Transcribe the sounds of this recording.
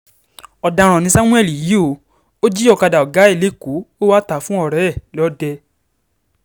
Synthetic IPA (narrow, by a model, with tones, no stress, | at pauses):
ɔ˨da˧ɾ̃ɔ̃˨nĩ˧sa˦w̃ũ˦ɛ˦˨li˨ji˦o˨˦ | o˦d͡ʒi˦ɔ˦˧˨ka˧da˨ɔ˨ɡa˨˦e˦˨le˨˦˨ku˨˦o˦wa˦ta˨˦fũ˦ɔ˦˨ɾɛ˨˦ɛ˦˨lɔ˦dɛ˧